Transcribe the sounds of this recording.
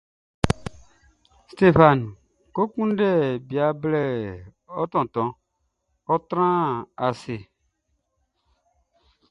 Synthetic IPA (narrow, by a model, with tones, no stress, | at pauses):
ste˦fa˨n˨ | ko˦kũ˦n˦dɛ˦˨bi˨a˨blɛ˨ | ɔ˦tɔ̃˨tɔ̃˨˦ | ɔ˦tɾã˦a˨sɪ˨